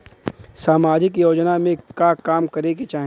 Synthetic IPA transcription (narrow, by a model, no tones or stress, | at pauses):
saːmaːd͡ʒɪkjoːd͡ʒnamẽkakaːmkɐɾeket͡ʃaːɦ